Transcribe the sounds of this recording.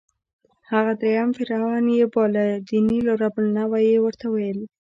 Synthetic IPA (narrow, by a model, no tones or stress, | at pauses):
haɣad̪ɾejamfɪɾawɑnjebɑlad̪iniloɾabəlnawajewəɾt̪awajəl